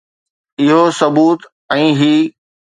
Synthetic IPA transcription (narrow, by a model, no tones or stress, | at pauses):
ɪɦosɐbuːt̪ | ɛ̃ːɦiː